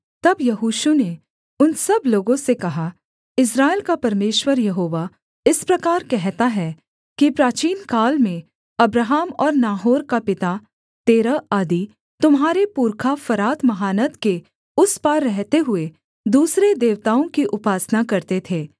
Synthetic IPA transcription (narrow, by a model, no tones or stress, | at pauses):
t̪ɐbjɐɦuːʃune | ʊnsɐbloːɡõsekɐɦa | ɪs̬ɾaːɪlkapɐɾmeːʃwəɾjɐɦoːʋa | ɪspɾɐkaːɾkɛɦt̪aɦɛ | kipɾaːt͡ʃiːnkaːlmẽ | ɐbɾaːɦaːmɔːɾnaːɦoːɾkapɪt̪a | t̪eːɾaaːd̪i | t̪ʊmɦaːɾepuːɾkʰafɐɾaːt̪mɐɦaːnət̪ke | ʊspaɾːɛɦt̪eɦʊe | d̪uːsɾed̪eːʋt̪aːõkiʔʊpaːsnakɐɾt̪et̪ʰeː